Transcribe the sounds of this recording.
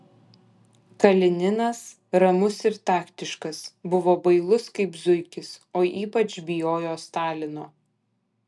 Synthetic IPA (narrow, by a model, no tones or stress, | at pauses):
kɐlʲɪnʲɪnɐs | ɾɐmʊsɪɾt̪ɑːkt̪ʲɪʃkɐsbʊʋoːbɐɪlˠʊskɐɪpzʊɪkʲɪsoːʔiːpɐt͡ʃbʲɪjoːjoːst̪ɑːlʲɪnoː